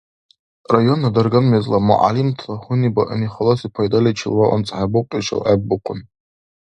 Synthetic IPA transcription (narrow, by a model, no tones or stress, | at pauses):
rajo̞nadarɡamɥazlamṵʔa̰limtʰlahʊnibaʔɨniχalosipʰajdalʲat͡ʃʰɪ̰lwaʔa̰nt͡sʼħabʊqʼiʂa̰lʔab̚ːɨqʷʰʼʊn